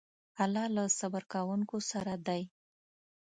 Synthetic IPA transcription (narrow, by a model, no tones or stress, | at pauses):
alɑlasabaɾkawəŋkosaɾad̪aj